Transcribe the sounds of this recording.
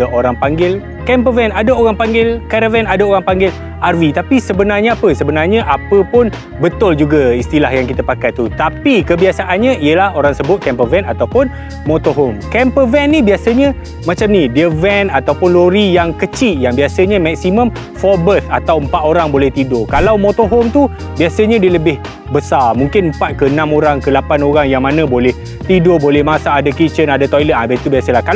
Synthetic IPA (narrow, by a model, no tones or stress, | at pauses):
aʔoɾaŋpaŋɡɪl | kɛmpəvɛnadaoɾaŋpaŋɡɪlkaɾavɛnadaoɾaŋpaŋɡɪl | arvit̪apisəbənarɲəapəsəbənarɲə̃ʔapəpʊn | bət̪ʊld͡ʒuɡaist̪ilahjaŋkit̪əpakajt̪ut̪apikəbiasaʔanɲãiəlahoɾaŋsəbʊt̪̚kɛmpəvɛnat̪awpʊn | mõt̪oɦʊmkɛmpəvɛnːibiasəɲə̃ | mãt͡ʃamnidiəvɛnat̪awpʊnloɾijaŋkət͡ʃɪʔjaŋbiasəɲãmɛk̚simə̃m | fɔbət̪at̪awəmpat̪oɾaŋbolɛht̪idʊkalawmõt̪oɦɔmt̪u | biasəɲãdiələbɪh | bəsamuŋkɪnəmpat̪̚kəənãmoɾaŋkəlapanoɾaŋjaŋmanə̃bolɛh | t̪idobolɛhmasaːdakit͡ʃənadat̪ɔjlət̪̚abɛt̪ubiasəlahkal